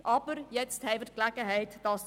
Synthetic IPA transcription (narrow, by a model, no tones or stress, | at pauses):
ʔɑpərjɛtsthɛjvərklækəɦɛjtdɑs